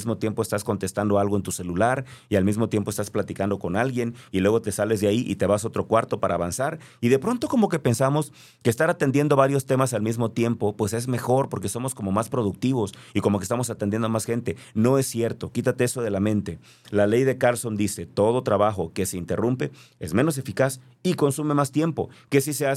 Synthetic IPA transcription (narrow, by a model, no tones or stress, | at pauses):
zmo̞t̪je̞mpo̞est̪asko̞nt̪e̞st̪and̪oalɣoe̞nt̪use̞lulaɾialmizmo̞t̪je̞mpoest̪asplat̪ikand̪o̞ko̞nalɣje̞nilwe̞ɣ̞o̞t̪e̞sale̞zðeaiʔḭt̪e̞βaso̞t̪ɾo̞kwaɾt̪o̞paɾaːβansaɾ | iðe̞pɾo̞nt̪o̞ko̞mo̞ke̞pe̞nsamo̞s | keːst̪aɾat̪e̞nd̪je̞nd̪o̞βaɾjo̞st̪e̞masalmizmo̞t̪je̞mpo̞pwe̞se̞zme̞xo̞ɾpo̞ɾke̞so̞mo̞sko̞mo̞maspɾo̞ðuk̚t̪iβo̞siko̞mokest̪amo̞s̬at̪end̪je̞nd̪oamasxe̞nt̪e̞ | no̞e̞sːje̞ɾt̪o̞kit̪at̪eeso̞ð̞e̞lamẽ̞nt̪e̞ | lale̞jðe̞kalso̞nd̪ise̞t̪o̞ð̞ot̪ɾaβaxo̞ke̞se̞int̪e̞rumpe̞e̞zme̞no̞s̬e̞fikas | iko̞nsume̞mast̪je̞mpo̞̰ke̞sisea